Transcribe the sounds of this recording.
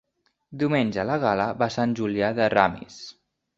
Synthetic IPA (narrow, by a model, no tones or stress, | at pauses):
d̪iumenʲd͡ʒəlaɣaləβasanʲʒuliaðəra̰mḭs